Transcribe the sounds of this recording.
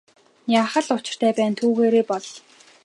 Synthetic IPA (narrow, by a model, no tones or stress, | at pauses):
jaːχə̆ɮʊt͡ɕɪ̆r̥t̪ʰæːpæːnt̪ʰuːɣeːɾeːpɔɮ